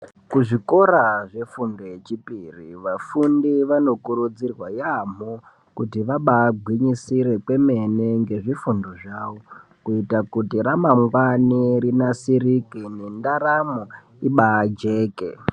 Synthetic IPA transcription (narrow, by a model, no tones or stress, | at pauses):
kuʐiko̞ɾaʐe̞fundoet͡ʃipirḭʋafundiʋano̞kuɾud͡zirwajam̤o | kutiʋaɓaːɡʱwiɲisiɾe̞kwe̞me̞neŋɡe̞ʐifundoʐaːʋo | kuitakutiɾamaŋɡwaniɾinasiɾikine̞ndaɾamo | iɓaːd͡ʒe̞ːkḛ